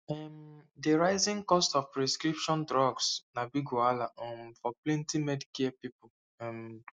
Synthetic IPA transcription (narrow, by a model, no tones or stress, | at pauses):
ɛmdeɹaɪzĩŋkɔstɔfpɹɛskɾipʃɔ̃ndɹɔɡsnabiɡualaɔ̃mfɔplɛ̃ntimɛdkiɛpipʊ | ɛ̃m